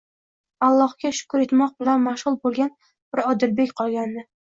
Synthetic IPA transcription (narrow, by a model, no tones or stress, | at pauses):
alˠːɒhkʲaʃʊ̥kʊɾe̞t̪mɒq̚bɪlanmaʃʁʊlˠbolˠɡʲan | b̥ɪɾɒd̪ɪlbekʲqʰɒlˠɡʲand̪ɪ